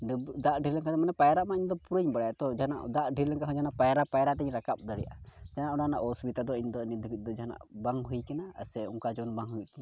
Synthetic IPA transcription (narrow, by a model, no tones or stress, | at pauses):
ɖd̪aʔɖʱiɾləŋkad̪ɛmanɛpajɾaʔmaiɲd̪ɔpuɾəɲbaɽajat̪ɔd͡ʒana̰ʔd̪aʔɖʱiɾləŋkaɦɔd͡ʒanaʔpajaɾapajɾaʔt̪ɛɲɾakap̚d̪aɾḭjʔad͡ʒanaʔɔɽanaʔɔsbit̪ad̪ɔiɲd̪ɔnid̪kit̪̚ˀd̪ɔd͡ʒaana̰ʔbaŋɦujkanaa̰sɛṵŋkad͡ʒɔnbaŋɦujuʔt̪ɛɲ